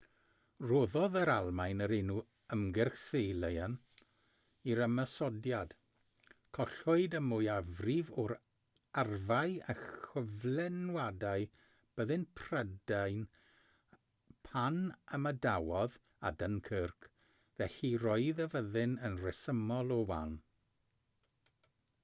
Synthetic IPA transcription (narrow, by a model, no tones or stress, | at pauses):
roðɔðəɾalˠmajnəɾɪnu | əmɡɛrxsejlˠəjan | iɾəməsɔdjad̥ | kʰɔɬʊɨdəmʊjavrivɔɾ | arvajaxəvlɛnwadaɨ | b̥əðɨnpʰr̥ədajn | pʰanəmədawɔð | a̰dənkʰərkʰ | vɛɬirɔɨðəvəðɪnənrɛsəmɔlˠɔwa̰n